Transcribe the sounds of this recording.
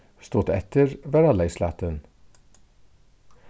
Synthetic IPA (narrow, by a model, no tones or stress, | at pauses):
st̪uːt̪ɛ̰t̪ʰəɹʋæɾɑlæɪslɑ̰ːt̪ən